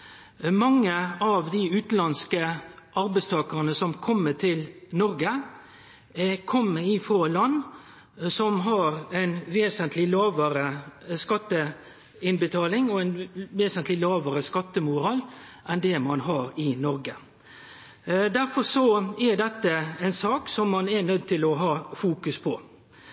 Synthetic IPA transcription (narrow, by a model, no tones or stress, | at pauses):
mɑŋːəɑʋd̪ɪʉːt̪lɑnskəʔɑɾbæɪst̪ʰɑːkəʁənəsɔmkʰɔmːət̪ʰɪlnɔɾɡə | kʰɔmːəɾɪfɾɑlɑnː | sɔmɦɑɾɛɪnʋeːsənt̪lɪlɑːʋəɾəskɑt̪ːə | ɪnbət̪ʰɑːlɪŋɔɛnʋeːsənt̪lɪlɑːʋəɾəskɑt̪ːəmʊɾɑːl | ʔɛnd̪ɛmɑnɦɑːɾɪnɔɾɡə | d̪æɾfɔɾsɔɛɖ̪ɛt̪ːəɛɪnsɑːksɔmːɑnɛnœd̪̚t̪ʰɪlɔɦɑːfuːkʉspʰɔ